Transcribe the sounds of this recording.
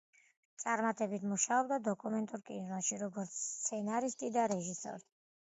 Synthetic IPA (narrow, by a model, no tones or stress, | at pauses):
t̪sʼaɾmat̪ʼɛbit̪ʰmuʃaɔbd̪ad̪ɔkʼumɛnt̪ʼuɾkʼinɾɔʃiɾɔɡɔɾt̪sʰst̪sʰɛnaɾist̪ʼid̪aɾɛʒisɔ̰ɾi